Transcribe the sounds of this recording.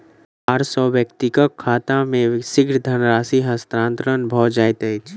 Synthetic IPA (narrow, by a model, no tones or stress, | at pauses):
aːɾsɔːʋjəkt̪ɪkəkʰːaːt̪ãmẽsɪɡɾd̪ʱənɾaːsiɦəst̪ɾãːnt̪ɾənbʱɔːd͡ʒaːjt̪ət͡ʃʰ